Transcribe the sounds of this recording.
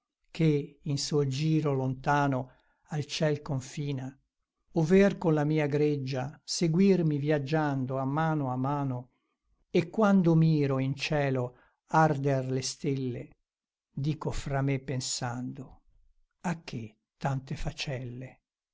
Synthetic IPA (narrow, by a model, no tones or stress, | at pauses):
kʰeinsud͡ʒiːɾolont̪aːno | alt͡ʃɛlkoɱfiːna | ovɛrkonlamiːaɡɾed͡ʒːaseɡwirmivjad͡ʒːand̪oamːaːnoamːaːno | ekːwand̪omiːɾoint͡ʃɛːlo | ard̪erlest̪elːe | d̪iːkofɾamepːensand̪o | akʰːe | t̪ːant̪efat͡ʃɛlːe